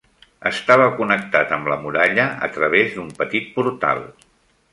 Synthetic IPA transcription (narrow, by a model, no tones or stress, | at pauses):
ə̰st̪aβ̞əkunək̚t̪at̪əmləmuɾaʎəə̰t̪ɾəβ̞ezd̪umpət̪it̪̚puɾt̪a̰lˠ